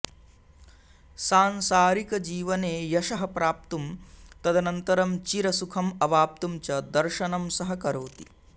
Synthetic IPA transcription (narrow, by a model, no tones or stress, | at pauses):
saːnsaːɾikɐd͡ʒiːʋɐneːjɐʃɐɦɐpɾaːp̚t̪umt̪ɐd̪ʱɐnɐnt̪ɐɾɐmt͡ʃiɾɐsukʰɐmɐʋaːp̚t̪umt͡ʃɐd̪ɐɾʃɐnɐmsɐɦɐkɐɾoːt̪i̥